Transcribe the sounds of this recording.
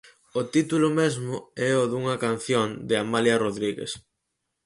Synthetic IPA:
ot̪it̪ulʊmezmʊɛoðuŋɐkan̟θjond̪ɪamaljɐroðɾiɣḛs

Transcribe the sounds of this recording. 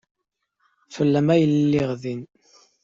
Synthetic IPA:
fəlːæmæjəllːɪʁðin

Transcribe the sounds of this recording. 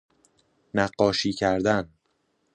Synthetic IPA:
næɢːɒːʃiːcʰæɾd̪æn

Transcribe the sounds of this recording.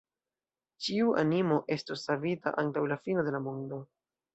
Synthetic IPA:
t͡ʃiuʔa̰nimo̞ʔe̞stosːavita̰ʔaŋtawlafino̞de̞lamo̞ndo̞

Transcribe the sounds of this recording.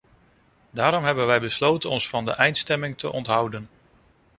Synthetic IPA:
daːɾɔmɦɛbənʋɛjbəslowtənɔnsfɑndə̰ʔɛjntstɛmɪŋtʰə̰ʔɔntɦʌwdən

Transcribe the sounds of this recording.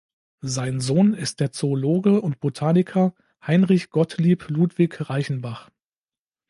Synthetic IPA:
zaɪnzoːnɪst̚d̥eːɐt͡soːloːɡəʊntb̥otʰaːnɪkʰɐ | haɪnʁɪçɡ̥ɔtʰliːpʰluːtv̥ɪçʁaɪçn̩baχ

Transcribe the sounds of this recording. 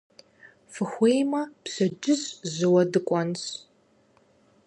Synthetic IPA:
fɨxʷejmɐpɕɐd͡ʒɪzzɨwɐdɨkʷʼɔns

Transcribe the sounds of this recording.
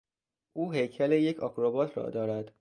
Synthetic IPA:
ʔuːɦe̞jcʰæleje̞cʰɒkʰɾobɒːt̪ʰɾɒ̰ːd̪ɒːɾæd̪̥

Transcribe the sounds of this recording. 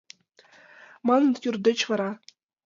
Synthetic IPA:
mɑnɤ̆njurd̪ʲɘ̆t͡ɕʋɑɾɑ

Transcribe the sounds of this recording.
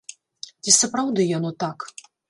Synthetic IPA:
t͡sʲisɐpɾawd̪ɨjanɔt̪ak

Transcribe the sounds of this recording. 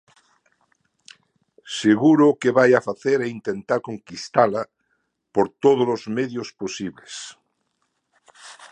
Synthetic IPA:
seɣuɾokeβajafaθeɾeint̪ent̪aɾkõŋkist̪ala | poɾt̪oð̞olozmeðjosposiβles

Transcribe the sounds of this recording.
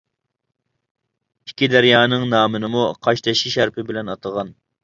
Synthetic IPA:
ikʲʰːid̪æɾjɑːnɨŋnɑːmɨnɨmuqʰɑʃt̪ʰɛʃiʃæɾpʰɪbɪlɛnɑt̪ʰəʁɑn

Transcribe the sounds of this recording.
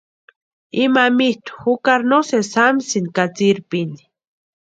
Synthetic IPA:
imamit̪u̥xukaɾnosesamsinkat͡siɾpini̥

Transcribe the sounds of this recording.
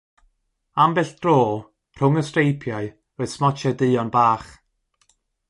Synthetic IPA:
ambɛɬd̥roː | r̥ʊŋəstrejpʰjaɨ | roːɨð̥smɔt͡ʃʰɛdɨːɔnbaːχ

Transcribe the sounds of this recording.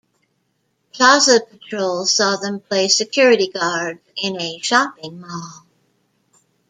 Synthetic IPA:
kʰɑzəpɨtʰɹ̥oʊlˠz̥sɔðə̃mpʰl̥eɪsɨkʰj̥ʊɹɨɾiɡɑɹd | ɪ̃nɨʃɑpɪ̃ŋmɔlˠ

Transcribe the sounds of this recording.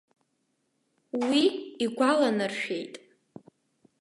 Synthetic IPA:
wiiɡʷalanɨrʃᶣe̞jtʼ

